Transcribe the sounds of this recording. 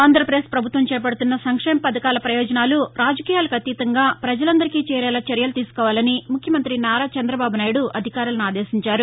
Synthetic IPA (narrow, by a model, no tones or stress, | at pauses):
aːnd̪ʱɾɐpɐɾeːspɾɐbʱut̪ʋɐmt͡ʃɛːp̬ɐɽut̪unːɐsɐŋkʂɛːmɐpɐd̪ɐkaːlɐpɾɐjɔːd͡ʒɐnaːluɾaːd͡ʒɐkiːjaːlɐkʰɐt̪iːt̪ɐŋɡaːpɾɐd͡ʒɐlɐnd̪ɐɾikiːt͡ʃɛːɾɛːlat͡ʃɐɾjɐlt̪iːsu̥kɔːʋaːlɐnimukʰjɐmɐnt̪ɾinaːɾaːt͡ʃɐnd̪ɾɐbaːbunaːjɽuʔɐd̪ʱikaːɾulɐnuaːd̪eːsiɲt͡ʃaːɾu